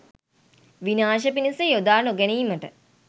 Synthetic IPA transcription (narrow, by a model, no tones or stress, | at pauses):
ʋinaːʃ̬əpinisejod̪aːnoɡæniːməʈə̰